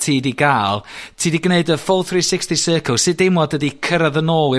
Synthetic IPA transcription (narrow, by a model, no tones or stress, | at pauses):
tʰiːdiɡaːlˠtʰiːdiɡneɨdəfɔlˠθriːsɪkstisəːkʰəlˠsɨdɪmɔdədikʰəɾaðənoːɪ